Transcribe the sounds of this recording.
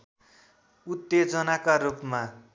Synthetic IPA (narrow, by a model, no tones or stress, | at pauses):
ut̪ːed͡zʌnakaɾupma